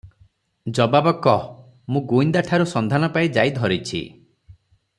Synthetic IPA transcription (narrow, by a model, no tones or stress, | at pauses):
d͡ʒɔbabɔkɔ | mũɡuind̪aʈʰaɾusɔnd̪ʱanɔpaid͡ʒajd̪ʱɔɾit͡ʃʰḭ